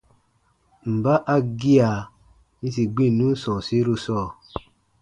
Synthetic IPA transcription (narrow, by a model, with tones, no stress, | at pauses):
m̩˨ba˦ʔa˧ɡi˦a˨ | nĩ˧si˨ɡ͡bĩ˦˨nũ˦sɔ̃˨si˨˦ɾu˧sɔː˦˨